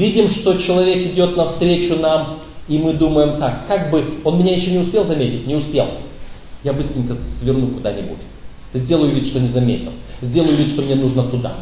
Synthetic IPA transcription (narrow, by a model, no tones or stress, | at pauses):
vʲidʲɪmʂt̪o̞t͡ɕɪlˠɐvʲe̞kɪdʲo̞t̪nɐfst̪ɾʲet͡ɕʊnam | imɨd̪uməjɪmt̪akːaɡbɨo̞nmɪnʲajɪɕːonʲɪʊspʲe̞lˠzɐmʲetʲɪt̚ʲnʲɪʊspʲelˠ | jabɨst̪ɾʲɪnʲkəsvʲɪrnukʊd̪anʲɪbṵtʲ | zʲdʲe̞lˠəjʊvʲit̪ʲʂt̪onʲɪzɐmʲetʲɪ̰lˠzʲdʲelˠəjʊvʲit̪ʲʂt̪o̞mnʲenuʐnət̪ʊd̪a̰